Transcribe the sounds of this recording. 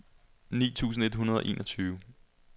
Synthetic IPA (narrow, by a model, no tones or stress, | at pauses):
nḭːt͡sʰṵːs̬n̩e̝d̥ɦunɐð̞ˠɒ̽ʔe̝̰ːnʔɒt͡sʰyːʊ